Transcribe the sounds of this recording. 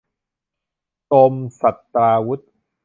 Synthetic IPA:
t̪o˧msa˨˩t̪ːɾaː˧wu˦˥t̪̚

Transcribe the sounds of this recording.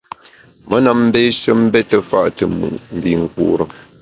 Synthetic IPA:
mə˦na˨mm̩˦beː˦ʃə˦m̩˦bɛ˦tə˨fa˦ʔtə˨mṵ˨ʔm̩˨bi˦ŋ̩˨kṵː˦ɾə˨

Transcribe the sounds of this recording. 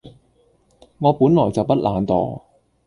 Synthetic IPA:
ŋɔː˨˧puː˨˥nlɔː˨˩jt͡sɐ˨wpɐ˥t̚lʔaː˨˧nt̪ɔ̰ː˨

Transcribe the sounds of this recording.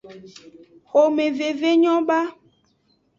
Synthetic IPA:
xo˨mẽ˨ve˨ve˦ɲɔ̃˦ba˦

